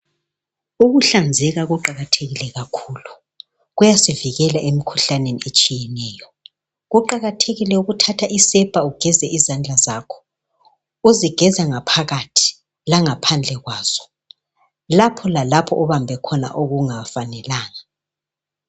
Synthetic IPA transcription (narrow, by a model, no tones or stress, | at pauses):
uɣuɬand͡zʱɛɣaɣuǃaɣatʰeɣilɛɣakʰuːlu | ɣujasiviɣɛlaʔemikʰuɬaneniet͡ʃʼijɛnɛjɔ | ɣuǃaɣatʰeɣilɛuɣutʰatʰaʔisɛb̥ʱauɡ̥ʱɛzɛʔizand͡ɮʱazaːkʰɔ̥ | uziɡ̥ʱɛzaŋapʰaɣatʰi̥ | laŋapʰand͡ɮʱɛɣwaːz̥ɔ̥ | lapʰɔlalapʰɔʔɔβambʱɛkʰɔna̰ʔoɣuŋafanɛlaːŋa